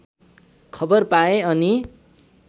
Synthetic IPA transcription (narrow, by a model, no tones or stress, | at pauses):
kʰʌbʌrpaeʌni